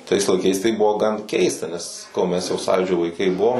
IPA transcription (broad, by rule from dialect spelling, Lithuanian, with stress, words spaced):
tɐɪs lˠɐɪˈkɐɪs tɐɪ ˈbʊʋoː ɡɐn ˈkʲɛɪstɐ nʲɛs sɐˈkɐʊ mʲɛs jɛʊ ˈsɑːjuːd͡ʒʲoː ʋɐɪˈkɐɪ ˈbʊʋoːm